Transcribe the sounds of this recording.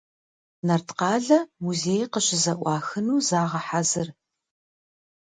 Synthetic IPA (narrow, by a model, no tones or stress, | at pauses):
nɐrtʰqɑːɮɐmuzeːjqəɕɪzɐʔʷɑːxɨnuːzaːʁɐħazɨr